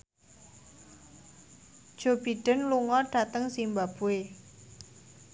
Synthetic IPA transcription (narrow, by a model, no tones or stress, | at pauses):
d̥ʒ̥o̤b̥iɖ̥ə̤nluŋɔɖ̥a̤t̪əŋsimbab̥ue